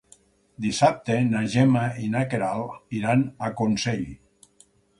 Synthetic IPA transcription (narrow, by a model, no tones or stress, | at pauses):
d̪isap̚t̪enaʒemainakeɾaliɾanakonseʎ